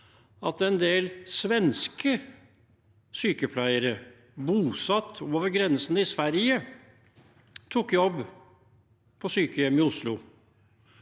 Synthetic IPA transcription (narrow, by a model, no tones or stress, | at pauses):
ɑt̪ɛnd̪eːlsʋɛnskə | syːkəpʰlæɪəɾə | buːsɑt̪ʰːoːʋəɾɡɾɛnsənəɪsʋæɾjə | t̪ʰukːjɔbː | pʰɔsyːkəjɛmːɪʊslʊ